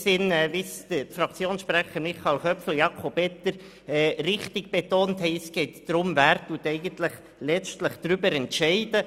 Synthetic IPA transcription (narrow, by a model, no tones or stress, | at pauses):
sɪnɛːvɪsdətfɾɑkt͡sjoːnsʃpɾæχəɾmɪχɑlχœpfl̩jɑkʰobɛtəɾ | ɛːɾɪχt̪ɪɡ̚b̥etoːnthɛjsɡ̥ɛɪt̪d̥ɾʊmvæːɾtuːtɛɪɡəntlɪχ | lɛt͡ʃtləχd̪̥ɾʏbəɾɛntʃɛɪd̥ə